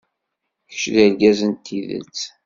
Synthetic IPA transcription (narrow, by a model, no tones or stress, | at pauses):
çə̥ʃðælɡæzənt̪ʰːiðə̰t͡sː